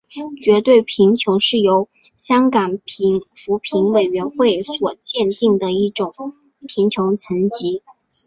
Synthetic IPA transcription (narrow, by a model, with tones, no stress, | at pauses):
t͡ɕɥɛ˧˥t̪we˥˩ɪpʰi˧˥ŋt͡ɕʰjʊ˧˥ʊʂɻ̩˥˩jo˧˥ʊ | ɕjɑ˥ŋkɑ˨˩ŋpʰi˧˥ŋfu˧˥pʰi˧˥ŋwe˨˩ɪɥɛ˧˥nxwe˥˩ɪswɔ˨˩t͡ɕjɛ˥˧nt̪i˥˩ŋd̪ə˩i˥˩ʈ͡ʂʊ˨˩ŋ | pʰi˧˥ŋt͡ɕʰjʊ˧˥ŋt͡sʰə˧˥nt͡ɕi˧˥